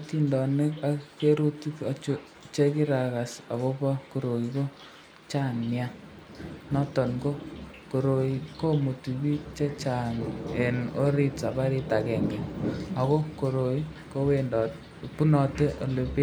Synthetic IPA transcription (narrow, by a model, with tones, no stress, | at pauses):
ti˦˨ndɔ˨ne˦ka˦kke˦ɾu˦ti˦ka˨t͡ʃo˦ | t͡ʃe˦ki˦ɾa˨ka˨sa̰˨ɣo˦pa˦ko˨ɾo˨i˨ko˦ | t͡ʃa˦ŋnja˦ | nɔ˦tɔ˨ŋɡo˦ko˨ɾo˨iko˦mo˨tu˨βi˦t͡ʃe˦t͡ʃa˨ŋe˨no˦ɾi˦ta˨pa˦ɾi˦ta˨kɛ˨ŋɡɛ˨a˨ko˦ko˨ɾo˨i˦ | ko˦we˦˨ndɔ˨ | pu˦nɔ˨te˦ʔo˨le˨pe˦